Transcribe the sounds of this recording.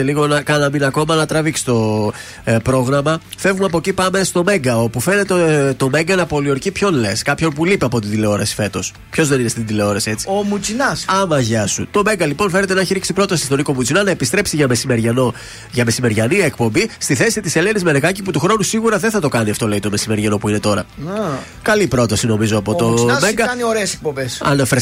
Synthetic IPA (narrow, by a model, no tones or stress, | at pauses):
eliɣo̞nɐkɐnɐminɐko̞mɐnɐt̪ɾɐviksi̥t̪o̞ | pɾo̞ɣɾɐmɐfe̞vumɐpo̞cipɐme̞st̪o̞me̞ŋɡɐo̞pufe̞ne̞t̪et̪o̞me̞ŋɡɐnɐpo̞lio̞ɾcipço̞nle̞skɐpço̞npulipeɐpo̞t̪ind̪ile̞o̞ɾɐsi̥fe̞t̪o̞s | pço̞zðe̞ninest̪id̪ile̞o̞ɾɐsie̞t͡si̥omut͡sinɐsɐmɐʝɐsṵt̪o̞me̞ŋɡɐlipo̞nfe̞net̪e̞nɐçiɾiksipɾo̞t̪ɐsi̥st̪o̞niko̞mut͡sinɐnɐepist̪ɾe̞psiʝɐme̞simeɾʝɐno̞ | ʝɐme̞sime̞ɾʝɐniekpo̞mbist̪iθe̞sit̪ise̞le̞nizme̞neɣɐciput̪uxɾo̞nusiɣuɾɐðeθɐt̪o̞kɐniɐft̪o̞le̞it̪o̞me̞sime̞ɾʝeno̞puine̞t̪o̞ɾɐ̰ | kɐlipɾo̞t̪ɐsino̞mizoɐpo̞t̪o̞meŋɡɐɐnioɾeesek̚pombesɐ̰nɐfɾe